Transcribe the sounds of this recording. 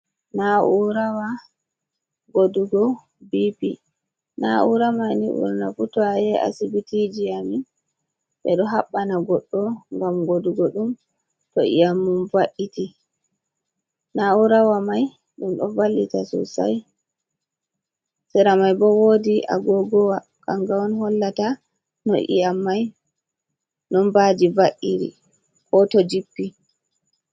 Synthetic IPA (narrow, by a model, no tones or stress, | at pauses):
naʔuɾawa | ɡoduɡɔ | bipi | naʔuɾamajniʔṵɾnafutɔajɛa̰sibitid͡ʒijami | ɓɛ̰ɗɔɦaɓːanaɡɔɗːɔŋɡamɡoduɡɔɗum | tɔʔḭjamːumvaʔiti | nauɾawamaj | ɗumɗɔ̰valːitasɔ̰sa̰j | sɛɾamajbɔwodiʔa̰ɡɔɡɔwa | kaŋɡawɔnhɔlːata | nɔ̰ʔḭamːaj | nɔnbadivaʔiɾḭ | kɔtɔd͡ʒipːi